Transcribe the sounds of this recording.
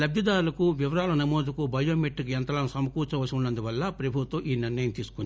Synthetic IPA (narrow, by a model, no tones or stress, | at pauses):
lɐbjɐd̪aːɾulɐkuʋiʋɐɾaːlɐnɐmoːd̪ukubɐjoːmeʈːukiɛnt̪ɐlaːnsɐmɐkuːt͡ʃɐʋɐsɐmunːɐnd̪uʋɐlːɐpɾɐbʱut̪ʋoʔiːniɾnɐjɐmt̪iːsu̥kun